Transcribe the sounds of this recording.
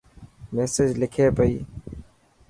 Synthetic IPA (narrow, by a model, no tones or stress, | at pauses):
meːsed͡ʒlɪkʰeːpəiː